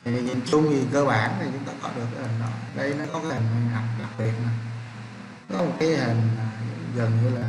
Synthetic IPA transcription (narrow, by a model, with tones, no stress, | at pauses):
i˨˩ɲḭ˧˨˩mt͡ɕʊ˧ŋ͡mi˨˩kəː˧ɓaː˨˩nt̪ʰi˨˩t͡ɕʊ˨˦ŋ͡mt̪aː˧kɔ̰˧˥ɗɨ˨˩ək̚ːhï˨˩ŋ̟ɗɔ̰˨˦ɗə˧jnɔ˨˦kɔ˨˦kaː˨˦ï˨˩ŋ̟ma˨˩ɗa˨˩p̚la˨˩k̚hi˨˩˨ənna˨˩˦ | kɔ˨˦mo˨˩t̚kaː˨˦jhï˨˩ŋ̟aː˨˩ɣə˨˩nɲɨ˧laː˨˩